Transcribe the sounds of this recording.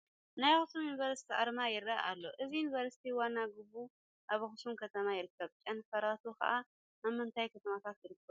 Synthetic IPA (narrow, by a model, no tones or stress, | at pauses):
najxɨsumjunivɐɾsi̥t̪ʰiʔa̰ɾmajɪɾːa̰ʔa̰lːo̞ʔɨzijunivɐɾsi̥t̪ʰiwanːaɡɨbːu | ʔaβxɨsumkʰɐt̪ʰɐmajɪɾɨkːɐβt͡ʃʼɐnfɐɾat̪ʰokɐ̰ʔa | namːɨnt̪ʰajkʰɐt̪ʰɐmat̪ʰat̪jɪɾɨkːɐβu